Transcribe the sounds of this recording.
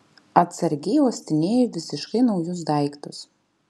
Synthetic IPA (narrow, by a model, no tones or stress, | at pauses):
ɐt̪sɐɾʲɡʲɛɪoːsʲt̪ʲɪnʲeːjoʋʲɪsʲɪʃkɐɪnɒʊjʊs̬d̪ɐˑɪkt̪ʊs